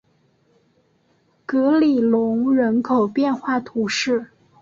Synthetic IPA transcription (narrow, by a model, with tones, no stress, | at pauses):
kɤ˧˥li˨˩lʊ˧˥ŋɻə˧˥nkʰo˨˩ʊpjɛ˥˧nxwa˥˩t̪ʰu˧˥ʂɻ̩˥˩